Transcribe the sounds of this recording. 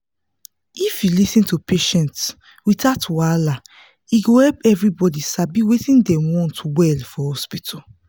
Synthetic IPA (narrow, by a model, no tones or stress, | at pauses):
ifjulisĩntupʰeʃɛ̃nts | witatwala | iɡohɛpɛvɹibɔdisabiwetĩndɛ̃wɔ̃ntwɛlfɔhɔspitʰɔ